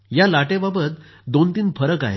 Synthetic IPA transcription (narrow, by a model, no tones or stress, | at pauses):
jalaʈẽbabət̪̚ | d̪ont̪iːnfəɾəka̰ɦḛ